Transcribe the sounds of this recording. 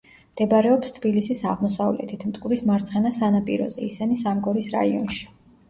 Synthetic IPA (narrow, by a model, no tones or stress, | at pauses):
md̪̥ɛbɾɛɔpst̪ʰbilisisaʁmɔsavlɛ̰t̪ʰit̪ʰmt̪ʼkʼuɾismaɾt̪sʰχɛnasanapʼiɾɔ̰zɛisɛnisamɡɔɾisɾa̰iɔ̰nʃi̥